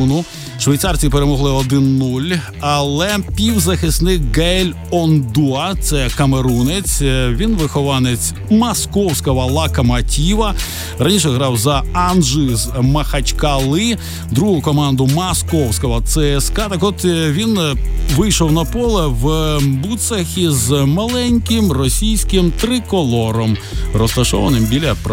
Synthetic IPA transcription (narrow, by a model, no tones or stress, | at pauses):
nʊ | ʃʋɐjt̪ɑrt͡sʲipeɾemɔɦlˠɪɔd̪ɪnːulʲ | ɐlˠɛpʲiwzɐxɪsnɪkɡɛlʲ | ɔnd̪uɐt̪sɛkɐmeɾunet͡sʲʋʲinʋɪxɔʋɑnet͡sʲ | mɐskɔwsʲkɐʋɐlˠɑkɐmɐtʲiʋɐ | ɾɐnʲiʃɛɦɾɑwzɐɐnʒɪzmɐxɐt͡ʃkɐlˠɪ | d̪ɾuɦʊkɔmɑnd̪ʊmɐskɔwsʲkɔɦɐt̪sɛɛskɑt̪ɐkɔt̪ʋʲinʋɪjʃɔwnɐpɔlˠɛʋbut̪sɐxizmɐlˠɛnʲkɪmrɔsʲijsʲkɪmt̪ɾɪkɔlˠɔɾɔm | ɾɔst̪ɐʃɔ̰ʋɐ̰nɪmbʲilʲɐp